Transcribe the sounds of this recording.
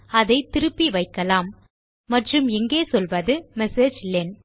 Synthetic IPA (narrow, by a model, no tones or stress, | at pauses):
ɐðɐɪt̪ɪɾɯpːiʋɐɪkːɐlaːmː | ɐʈrɯmɛŋɡeːsɔlʋɐðɯmɛseːd͡ʒlen